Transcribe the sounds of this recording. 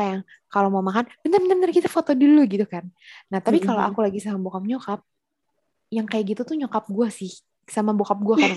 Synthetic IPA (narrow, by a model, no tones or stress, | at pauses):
ajaŋ | kalomamakanbənərbənərbənərkit̪afot̪oduluɡit̪ukannaht̪apikalo̰ʔa̰kulaɡisamabokap̚ɲokap̚ | jaŋkajaʔɡit̪ut̪uɲokap̚ɡuasɪh | samabokap̚ɡuaka